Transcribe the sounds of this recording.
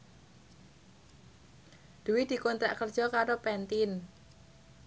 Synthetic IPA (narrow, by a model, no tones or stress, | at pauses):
d̪̥uwɪhd̪̥i̤kont̪ɾaʔkərdd͡ʒ̥ɔkaɾopɛnt̪ɪn